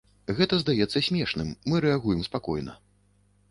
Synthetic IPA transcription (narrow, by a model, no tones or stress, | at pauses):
ɣɛt̪ɐzd̪ajɛt̪sːɐsʲmʲɛʂnɨmːɨɾɛaɣujɛmspakɔ̰jnɐ̰